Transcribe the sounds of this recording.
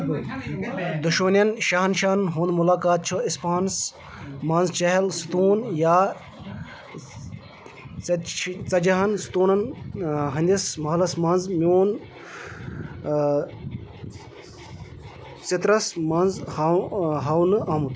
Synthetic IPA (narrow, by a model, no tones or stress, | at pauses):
d̪uʃmɐnjɐnʃɐɦɐnʃaːnɦũːnd̪mulaːkaːt̪̚t͡ʃʰuispaːns | mɐnzt͡ʃɐɦɐlst̪uːnjaː | t͡sɐd͡ʒɐɦɐnst̪uːnɐnɦɐnd̪ʲismɐɦlɐsmɐnzmʲoːn | sit̪ɾɐsmɐnz | ɦɐwnɨʔaːmut̪